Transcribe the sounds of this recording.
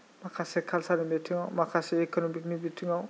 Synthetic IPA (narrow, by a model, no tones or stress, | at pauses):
makʰasekʰalsanimetʰɯŋawmakʰaseekɔnomik̚nibitʰɯŋaw